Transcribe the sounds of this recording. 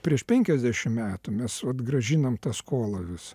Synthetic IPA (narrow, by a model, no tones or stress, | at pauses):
pʲɾʲiɛʃpʲɛŋʲkʲɛzʲd̪ʲæʃʲɪmmʲæːt̪ʊmʲɛsʋɐt̪ɡrɐʒʲinɐmt̪ɐskoːlˠɐʋʲɪs